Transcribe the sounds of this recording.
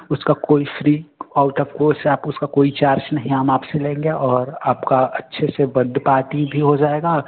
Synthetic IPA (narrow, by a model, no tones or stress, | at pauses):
ʊskakoːifɾiːaːʊʈɔːfkoːsaːpʊskakoːit͡ʃaːɾt͡ʃnɐɦĩamaːpselẽːŋɡeʔɔːɾaːpkaɐtːʃʰeseʋɐd̪paːɾʈibʱiɦod͡ʒaːeːɡaː